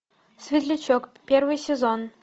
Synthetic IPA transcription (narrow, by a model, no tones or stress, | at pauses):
sʲvʲɪt̪lʲɪt͡ɕokpʲervɨjsʲɪzon